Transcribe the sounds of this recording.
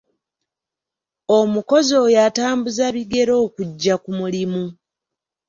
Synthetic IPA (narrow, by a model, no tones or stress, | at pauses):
omuko̞zo̞ːjataːmbuzaβiɡe̞ɾo̞ːkuɟːakumulimu